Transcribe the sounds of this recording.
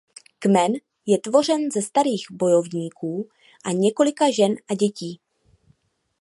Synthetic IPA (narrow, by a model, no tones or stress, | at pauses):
kmɛn | jɛt̪vo̞r̝ɛnzɛst̪aɾiːɣbo̞jo̞vɲiːkʰuː | ʔaɲɛko̞lɪkaʒɛnʔaɟɛciː